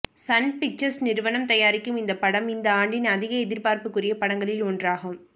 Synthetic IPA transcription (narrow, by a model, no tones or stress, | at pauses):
sɐnpɪk̚t͡ʃɐɾsnɪɾɯʋɐnɐmt̪ɐjaːɾɪkːɯmɪnd̪ɐpɐɽɐmɪnd̪ɐaːɳɖɪnɐðɪɣɐɛðɪɾpaːɾpɯkːɯrɪjɐpɐɽɐŋɡɐɭɪlɔndraːɣɯm